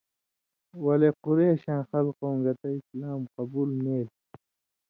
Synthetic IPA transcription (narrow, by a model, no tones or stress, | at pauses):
wɐlequɾeːɕãːxɐlqoːŋɡɐt̪ɐislaːmqɐbuːlmeːl